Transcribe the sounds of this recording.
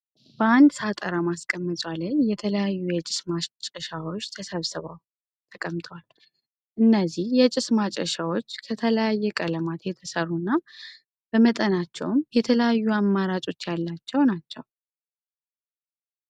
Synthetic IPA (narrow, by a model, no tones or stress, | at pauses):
bəand̪sat̪ʼəɾamaskʼəmːɨt̪ʼwaləɲjɛt̪ʰələjajːujɛt͡ʃʼɪ̥smat͡ʃʼəʃawo̞t͡ʃːt̪ʰəsəβsɨβa | t̪ʰəkʼəmt̪ʰʼwal | ʔɨnːəzihjɛt͡ʃʼɪsmat͡ʃʼəʃawo̞t͡ʃːkʰət̪ʰələjajːɛkʼələmat̪jɛt̪ʰəsərːunːa | b̥əmət̪ʼənat͡ʃːɛ̰wmjɛt̪ʰələjajːuamːaɾat͡ʃʼo̞t͡ʃːjalːat͡ʃːɛwnat͡ʃːɛw